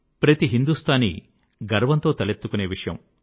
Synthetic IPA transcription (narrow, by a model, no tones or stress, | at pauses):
pɾɐt̪iɦind̪ust̪ʰaːnḭ | ɡɐɾʋɐnt̪o̞ːt̪ɐlet̪ːukune̞ːʋiʂɐjɐ̰m